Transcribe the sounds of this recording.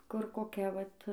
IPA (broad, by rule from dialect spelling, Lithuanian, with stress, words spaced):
kʊr koːˈkʲɛ ˈʋɐt